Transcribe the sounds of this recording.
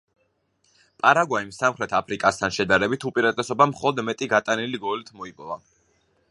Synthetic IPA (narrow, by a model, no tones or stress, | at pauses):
pʼaɾaɡwaimsamχɾɛt̪ʰapʰɾikʼast̪ʰanʃɛd̪aɾɛbit̪ʰupʼiɾat̪ʼɛsɔbamχɔlˠɔd̪mɛt̪ʼiɡat̪ʼaniliɡɔlit̪ʰmɔipʼɔva